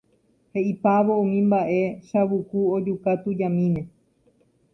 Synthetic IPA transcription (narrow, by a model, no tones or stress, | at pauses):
he̞ipaʋo̞ũmĩmbaʔe̞ʃaβukuod͡ʒukat̪ud͡ʒãmĩmẽ̞